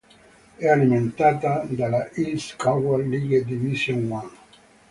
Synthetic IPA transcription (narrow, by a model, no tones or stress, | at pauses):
ɛalimẽnt̪at̪ad̪alaʔiskaɡalːiɡed̪ivisjoŋwan